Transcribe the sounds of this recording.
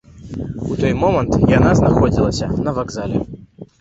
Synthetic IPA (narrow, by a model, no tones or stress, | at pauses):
ut̪ɔjmɔmɐnt̪janaznaxɔd͡zʲilˠɐsʲɐnɐvaɡzalʲɛ̰